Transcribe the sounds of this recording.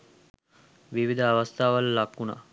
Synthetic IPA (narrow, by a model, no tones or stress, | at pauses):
ʋiʋid̪əaʋast̪ʰaːʋalːakːuna̰